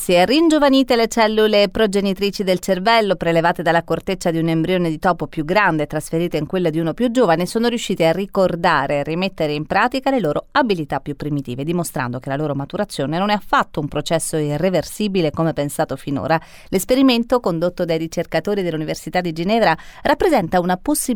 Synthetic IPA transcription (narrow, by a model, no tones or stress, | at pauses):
siɛrind͡ʒovaniːt̪elet͡ʃɛlːulepɾod͡ʒenit̪ɾiːt͡ʃid̪elt͡ʃervɛlːopɾelevaːt̪ed̪alːakort̪et͡ʃːad̪iunembɾjoːned̪it̪ɔːpopjuɡɾand̪et̪ːɾasfeɾiːt̪eiŋkwelːod̪iunopjud͡ʒoːvanesoːnoɾjuʃːiːt̪earːikord̪aːɾʔerːimet̪ːeɾeimpɾaːt̪ikaleloːɾoabilit̪apːjupːɾimit̪iːved̪imost̪ɾa̰nd̪okelaloːɾomat̪uɾat̪sːjoːnenonafːat̪ːoumpɾot͡ʃɛsːoirːeversiːbilekomepensaːt̪ofino̰ːɾa | lespeɾiment̪okond̪ot̪ːod̪ajɾit͡ʃerkat̪oːɾid̪elːuniversit̪ad̪ːid͡ʒinɛːvɾarapːɾezɛnt̪aunaposːi